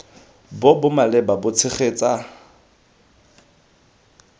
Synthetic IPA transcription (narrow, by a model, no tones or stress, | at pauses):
bobʊmalɛbabʊt͡sʰɪχeːt͡sʼa